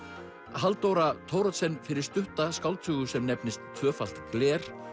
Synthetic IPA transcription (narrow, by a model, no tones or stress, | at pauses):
ɦalt̪owɾat̪ʰoːwɾɔt̪sɛnːfɪɾɪɾ̥st̪ʏht̪askawlt̪ʰʏːɣʏsɛmnɛpnɪst̪ʰːvœːfal̥t̪klɛːɾ̥